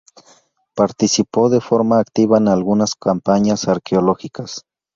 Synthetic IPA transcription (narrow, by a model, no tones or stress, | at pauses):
paɾt̪isipo̞ðefoɾmaːkt̪iβaenalɣunaskampaɲasaɾkeoloxikas